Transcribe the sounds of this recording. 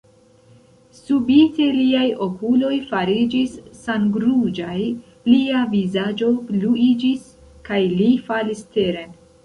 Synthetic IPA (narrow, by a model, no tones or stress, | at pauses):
subite̞liajo̞kulo̞jfaɾid͡ʒisːanɡɾud͡ʒaj | liavizad͡ʒo̞bluid͡ʒis | kajlifaliste̞ɾe̞n